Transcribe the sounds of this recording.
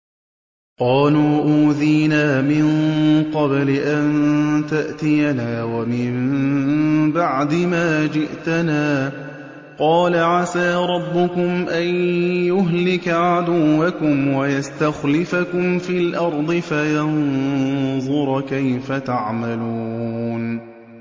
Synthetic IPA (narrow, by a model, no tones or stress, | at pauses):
qɑːluːʔuːðiːnaːmɪnqɑblɪʔant̪aʔt̪ɪjanaːwamɪm | baʕd̪ɪmaːd͡ʒɪʔt̪anaː | qɑːlaʕasaːɾˤɑbːʊkʊmʔanjʊɦlɪkaʕad̪ʊwːakʊmwajast̪axlɪfakʊmfiːlʔɑɾˤd̪ˤɨfajɑn | ðˤʊɾˤkajfat̪aʕmaluːn